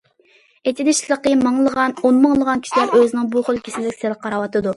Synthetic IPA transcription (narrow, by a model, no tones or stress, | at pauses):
et̪ʰɪd̪ɪʃlˠəqəmɑŋlˠəʁɑnonmɑŋlˠəʁɑnkʰʲi̥ʃilæɾøzɪnɪŋbuχolˠkʲʰi̥sɪnd̪ɪkʲselqʰːɑɾɑwɑt̪ɨd̪u